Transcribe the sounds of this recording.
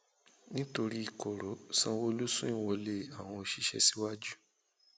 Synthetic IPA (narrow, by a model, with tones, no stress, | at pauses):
nĩ˦to˧ɾi˦i˦˨kɔ˨ɾɔ˨˦sã˧wo˦lu˦sũ˦ĩ˦˨wɔ˧le˦a˦˨w̃ɔ̃˧o˧ʃi˧˦ʃɛ̰˧si˦wa˦d͡ʒu˦